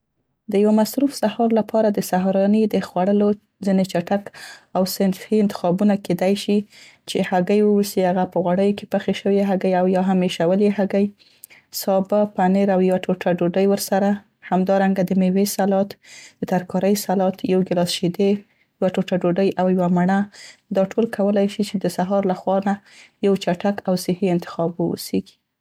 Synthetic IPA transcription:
d̪əjawamasɾufsahɑɾlapʰɑɾad̪əsaɦɾɑnid̪əxwaɽəlo | d͡zinet͡ʃaʈakawsɪnfhiɪnt̪ɪ̥xɑbunaked̪ajʃit͡ʃehaɡəjwəwəsihaɣapəɣwaɽəjokepəxeʃəwieɦaɡəjawjɑɦameʃawəleɦaɡəj | sɑbapaneɾawjwaʈoʈʰaɖoɖəjwəɾsaɾa | hamd̪ɑɾaŋɡad̪əmewesalɑt̪d̪̥ət̪aɾkɑɾəjsalɑt̪jawɡɪlɑsʃid̪e | jwaʈoʈaɖoɖəjʔawjwamaɳad̪ɑʈʰolkʰawəlajʃit͡ʃed̪əsaɦɑɾlaxwɑnajawt͡ʃaʈakawsɪhiɪnt̪ɪ̥xɑbṵseɡi̥

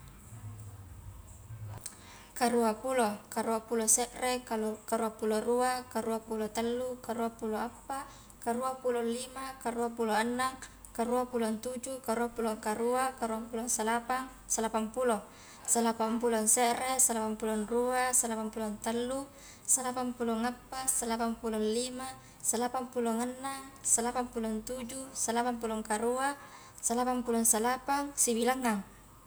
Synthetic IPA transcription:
kaɾuapulokaɾuapulosɛʔrekaɾuapuloɾuakaɾuapulot̪alːukaɾuapuloapːa | kaɾuapulolːimakaɾuapuloanːaŋ | kaɾuapulont̪ud͡ʒukaɾuapuloŋkaɾuakaɾuampulonsalapaŋ | salapaŋpulɔŋ | salapamp̬ulɔŋsɛʔɾesalapampulɔnruasalapampulɔnt̪alːu | salapaŋpuloŋapːasalapaŋpulɔnlima | salapampuloŋanːaŋsalapaŋpulont̪ud͡ʒusalapaŋpulɔŋkaɾua | salapaŋpulɔŋsalapaŋsibilaŋːaŋ

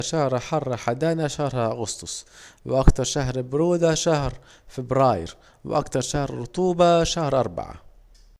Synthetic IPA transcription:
ʃahɾˤaħɑrˤːaħad̪aːnaʃahɾˤhaʔaɣʊst̪ʊsˤwʔakt̪ɑɾˤʃaɦɾbɾuːd̪aʃahɾ | fɪbɾaːjɪ̰ɾ | wʔa̰kt̪ɑɾˤʃahɾɾːʊt̪ˤuːbɑʃahɾʔɑɾˤba̰ʕa̰

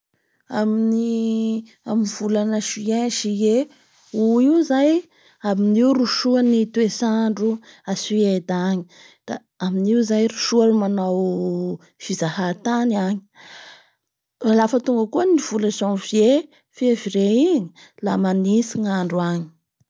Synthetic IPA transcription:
amini | amiv̥ulanaʃieʃie | uiuzaj | aminiuruʃuanit̪uesaɳɖ͡ʐuasiejd̪aɲi̥ | d̪̥a̰ | aminiuzajruʃuanumanaw | fizahat̪aniaɲi̥ | alafət̪uŋɡəkuəniv̥ulasonvje | feviɾeiɲi̥lamanisiŋaɳɖ͡ʐuaɲi̥

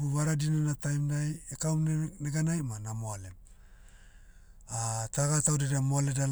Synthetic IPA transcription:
uβaɾadinanatajmnajekawmneɡanajmanamoale̞ | ataɡatawdeɾeamoale̞dal

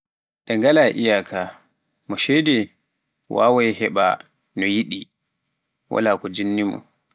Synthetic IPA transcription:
ɗɛŋɡalaʔijakʰa | mɔʃɛjdɛ | wa̰ːwɔjhɛɓa̰ | nɔjiɗi | wa̰laːkɔd͡ʒinːimɔ̰

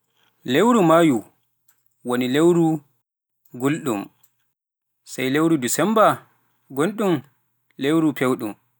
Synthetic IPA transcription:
lewɾumaju | wonilewɾu | ɡulɗum | sajlewɾudusɛmba | ɡonɗum | lewɾupʰewɗum

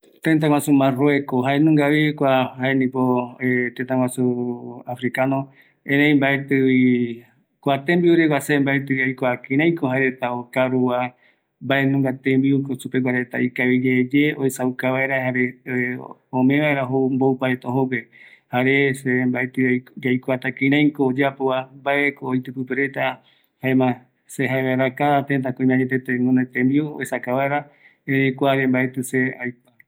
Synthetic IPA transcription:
t̪ẽnt̪̬aŋwasumãroekoɦaenũŋɡaβikʷahaenĩpoet̪ẽnt̪aŋwasuafɾikanõ | ẽnẽj̃mbaet̪ɨwi | kʷat̪embiuɾekʷwasembaet̪ɨβiajkoakĩɾãjkoɦaeɾet̪aokaɾuwa | mbaenũŋɡat̪ẽmbiukosupeɡʷaɾet̪a̰ikaβid͡ʒed͡ʒeoesawkaβaeɾahaɾe | õmẽβaeɾaɦombowpaet̪aoɦopehaɾesebaet̪ɨd͡ʒajkʷat̪akĩɾãjkoːd͡ʒapoambaekoːjt̪ɨpɨpeɾe̞t̪a | haemã | seɦaeβaeɾakaðat̪ẽnt̪akõĩmãɲet̪et̪enũnat̪ẽmbiuo̰esakaβaeɾa | eɾekʷaɾembaet̪ɨseajpa

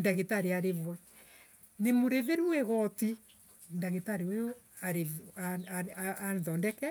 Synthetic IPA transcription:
ndaɣetaɾeaɾevwɛ | nemoɾeðeɾuɛɣɔti | ndaɣetaɾeojo | aɾea | aðɔndɛkɛ

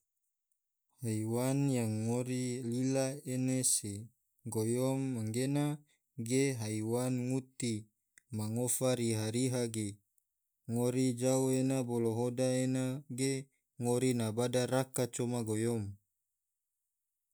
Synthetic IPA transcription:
haiwanjaŋːoɾililaenese | ɡojɔmːaŋɡena | ɡeɦaiwanŋut̪i | maŋofaɾiɦaɾiɦaɡe | ŋoɾid͡ʒauenaboloɦodaenaɡe | ŋoɾinabadarakat͡ʃomaɡojɔm

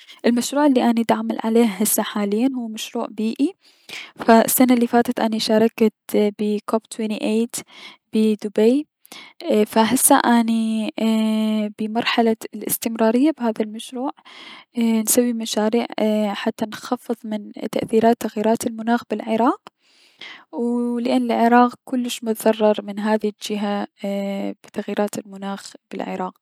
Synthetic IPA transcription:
ʔɪlmaʃɾuːʕɪlːiʔanid̪ʕamalʕaleːhɦɪsːaħaːlɪjːanhuːmaʃɾuːʕbiːʔi | faɪ̰sːanaʔlːifaːt̪at̪ʔa̰niʃɑːɾˤɑkt̪bɪkobt̪ʰwiniʔeːt̪b̥ɪd̪ʊbej | faɦɪsːa̰ʔani | bɪmɑɾˤħalalʔɪ̰st̪ɪmɾɑːɾɪjːabhaːðalmaʃɾuːʕ | nsawːimaʃaːɾiːʕħat̪ːanxɑfːɨðˤmɪnt̪ːaʔθiːɾaːt̪ːaɣjiːɾaːt̪ɪlmʊnaːxbɪlʕɪɾɑːq | wlɪʔɪnːɪlʕɪɾɑːqkʊlːɪʃmʊt̪ðɑrˤːɑɾˤmɪnɦaːðild͡ʒɪɦa | b̥ɪt̪aɣjiːɾʔaːt̪ɪlmʊnaːxb̥ɪ̰lʕɪ̰ɾˤɑːq̚

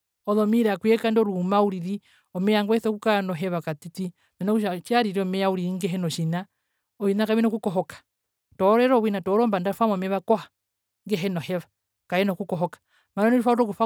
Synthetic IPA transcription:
ɔðɔmiɾakwɛkandɔɾumauɾiɾi | ɔmɛjaŋɡwɛθɔkukanɔɦɛβakatiti | mɛnakuʃat͡ʃaɾiɾiɔmɛjauɾiɾiŋɡɛɦɛnɔʃina | ɔʃinakaβinɔkukɔɦɔkḁ | tɔɾɛɾɔwinatɔɾɔːmbandafamɔmɛβakɔhḁ | ŋɡɛɦɛnɔhɛβa | kajɛnɔkukɔɦɔkḁ | maɾaniɾufauɾɔkufa

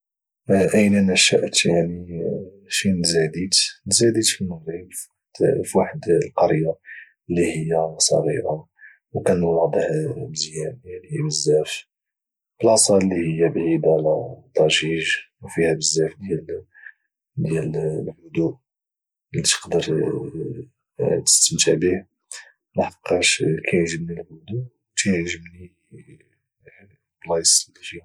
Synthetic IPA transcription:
ʔəjnænæʃæʔt̪jaʕni | ʃinzæd̪it̪nzæd̪it̪fiməibf | d̪fwaħəd̪lqɑɾja | əlːihəjːæsˤɑ̰ɾḭʔa | wkænulɑd̪ˤəħbəzjænjaʕnihbəzːæf | b̥əlɑsˤɑlːihəjːæbʕid̪ælæt̪ˤːɑʒiʒwfihæbəzːæfd̪jæl | d̪jællħʊd̪uʔ | lit̪ə̥qd̪əɾ | t̪ə̥st̪əmt̪əʕbih | maħqːɑʃkʰæjʒəbnilhʊd̪uwk̪æjʒəbni | blɑjsˤlifi

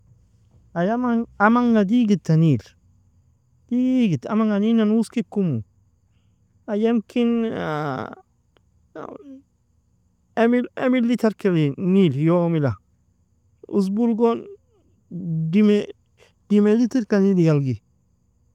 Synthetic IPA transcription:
ajamaamaŋːadiɡitːaniːl | d̥iɡita̰maŋaninanuskikumu | ajamkina | miḛmilitaɾkaliniljomila | ṵs̬bulɡɔn | dime | dimelitiɾkanidiɡalɡi

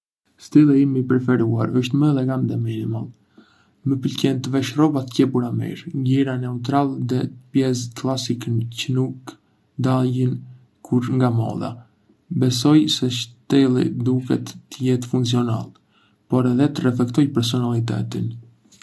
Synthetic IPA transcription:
st̪ɛlˠiimipɾɛfɛɾuaɾəʃt̪məɛlɛɡamd̪ɛminimalˠ | məpəlcɛnt̪əvɛʃrɔbat̪ə̥cɛbuɾamḭɾɲɟiɾanɛut̪̬ɾalˠðɛpjɛs̬klˠasikəncənuk | d̪alən | kʰuɾŋɡamɔ̰ða̰ | bɛs̬ɔjsɛʃt̪ɛlˠḭd̪ukɛ̰t̪ːəjɛt̪fuŋkt͡siɔna̰lˠ | pɔɾɛðɛt̪ərɛflɛkt̪ɔjpɛɾs̬ɔnalˠit̪ɛ̰t̪ḭn

